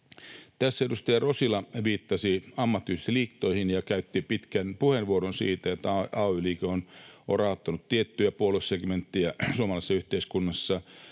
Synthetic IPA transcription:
t̪æsːæedust̪ɑjɑrosilɑʋiːt̪ːɑsiɑmːɑt̪ːyist̪iliːkt̪ːoihinjɑkæyt̪ːipit̪kænpuhenʋuoɾonsḭːt̪æot̪ːɑɑoyliːkeonorɑˑot̪ːɑnut̪t̪iet̪ːyæpuolusseɡment̪ːiæsuomɑlɑisːɑyht̪eiskunːɑsːɑ

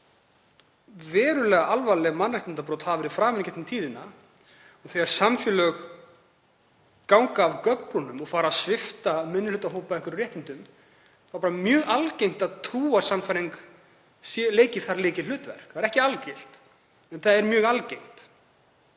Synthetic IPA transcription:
vɛːɾʏlɛːɣaʔalvalɛːɣmanːrajht̪ɪnt̪apɾowt̪haːvɪɾifɾaːmɛncɛht̪ʏmt̪ʰiːðɪna | ɔɣθɛɣaɾ̥samfjʏlœɣ | kawŋkaːvkœp̪ɔnʏmɔɣfaːɾasvɪft̪amɪnːʏlʏːt̪aɦoːwpaɛhkʏɾʏrɛht̪ɪnt̪ʏm | faɾpaɾamjœːɣalcejŋ̥t̪aðt̪ʰɾuːasamfaɾiŋk | sɛleːjcɪ̥θaɾleːjcɪl̥ʏːt̪vɛ̰r̥kθaðɾɛhcɪalcel̥t̪ | ɛnθaðɛɾmjœːɣalcejŋ̥t̪

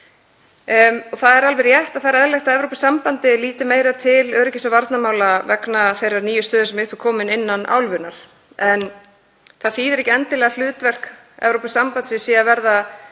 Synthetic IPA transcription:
ɔθaðɛɾalvɛɾjɛht̪aðθaɾaɛðlɛjxt̪aɛvɾowpasːampant̪ɪliːt̪ɪmeːjɾat̪ʰɪlœːɾɪcɪsavaɾt̪namaːwlavɛknaθejraɾniːjʏst̪œːðʏɾsɛmʏhpɪɾ̥kʰɔːmɪnɪnːana̰ːwlvʏnaɾ̥ | ɛn | θaðfiːðɪɾɛhcɪɛnt̪ɪlɛːɣal̥ʏːt̪vɛr̥k | ɛ̰vɾowpasːampant̪sɪsiːavɛɾða

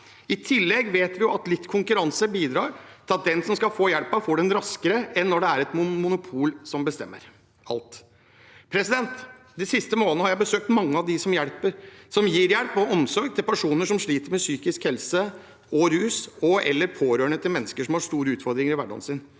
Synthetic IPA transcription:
ɪt̪ʰɪlːɛɡʋeːt̪ʋɪjʊɑt̪lɪt̪ːkʰʊŋkʉɾɑnsəbiːd̪ɾɑːɾt̪ʰɪlɑt̪̚d̪ɛnsɔmskɑfoːjɛlpɑfoːɖɛnɾɑskəɾəɛnːɔɖɛæɾɛt̪mʊmʊnʊpʰuːlsɔmbəst̪ɛ̰mːə̰ɾ | ɑ̰lt̪ | pʰɾɛsɪd̪ɛnt̪ | d̪ɪsɪst̪əmoːlənəhɑɾjæɪbəsøːk̚t̪mɑŋːəɑʋd̪ɪsɔmjæɽpəɾsɔmjiːɾjɛlpɔɔmsɔɾɡ̚t̪ʰɪlpʰæʂuːnəʂɔmʂɭiːt̪əɾmɛsyːkɪskhɛlsə | ɔɾʉːsɔɛ̰lːəɾpʰoːɾøːɳət̪ʰɪlmɛnːəskəʂɔmhɑʂt̪uːɾəʉːt̪fɔɾd̪ɾɪŋəɾɪʋæɖɑ̰nsɪn

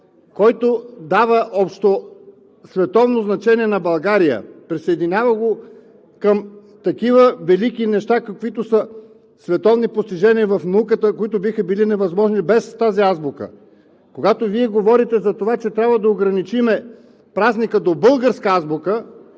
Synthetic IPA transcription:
kɔjt̪od̪avəʔɔpʃt̪o | svɛt̪ɔvnoznɐt͡ʃɛniɛnɐbɐlˠɡaɾijə̰pɾisəɛd̪inʲavəɡo | kəm | t̪ɐkivəvɛlikinɛʃt̪akɐkvit̪osə | svɛt̪ɔvnipost̪iʒɛniəvɐfnukət̪əkoit̪obixəbilinɛvɐzmɔʒnibɛst̪aziazbʊkə̰ | koɡat̪oviɛɡovɔɾit̪ɛzɐt̪ovat͡ʃɛt̪ɾʲabvəd̪ɐoɡɾɐnit͡ʃimɛ | pɾaznikəd̪obɤlˠɡəɾskəazbʊkə

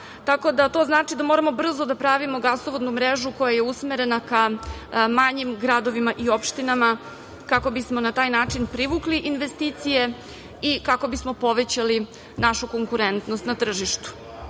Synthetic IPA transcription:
t̪ako̞d̪at̪o̞znaːt͡ʂid̪amo̞ɾamo̞br̩zod̪apɾaʋimo̞ɡaslˠoʋod̪numɾeʒuko̞jaje̞usmeɾe̞naka | maɲimɡɾad̪o̞ʋimaʔio̞pʃt̪inama | kako̞bismo̞nat̪aːjnaːt͡ʂinpɾiʋukliʔinʋest̪it̪sije̞ | ikako̞bismo̞po̞ʋet͡ɕali | naʃuko̞ŋkuɾent̪nost̪nat̪r̩ʒiʃt̪u̥

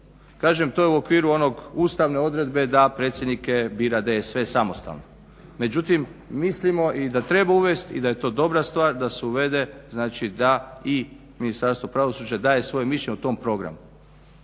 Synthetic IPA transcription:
kaːʒemt̪ojeuo̞kʋiːɾuo̞no̞ɡuːst̪aʋne̞o̞d̪ɾe̞d̪be̞d̪apɾet̪sje̞d̪nikebiːɾad̪eesʋe̞samo̞st̪a̰ʋno | me̞d͡ʒut̪imːislimo̞ʔid̪at̪ɾe̞bauʋe̞st̪ḭd̪aje̞t̪o̞ːd̪o̞bɾast̪ʋaːɾd̪aseuʋe̞d̪e̞znaːt͡ʃid̪ai | minist̪aɾst̪o̞pɾaʋosuːd͡ʑad̪aːje̞sʋo̞jemiʃeɲeut̪o̞mpɾo̞ɡɾa̰mu

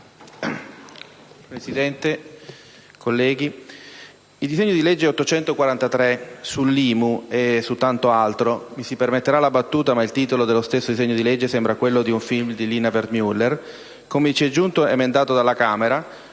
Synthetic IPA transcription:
pɾesid̪ɛnt̪e | kʰolːɛːɡi | ild̪izeɲːod̪iled͡ʒːeɛot̪ːot͡ʃɛnt̪okwaɾant̪at̪ɾesulːiːmuesut̪ːant̪oalt̪ɾomisipermet̪ːeɾalabat̪ːuːt̪amailt̪iːt̪olod̪elːost̪esːod̪izɛɲːod̪iled͡ʒːesɛmbɾakwelːod̪iuɱfilmd̪iliːnaverd̪mjulːer | komet͡ʃiɛd͡ʒːunt̪oemend̪aːt̪od̪alakaːmeɾa

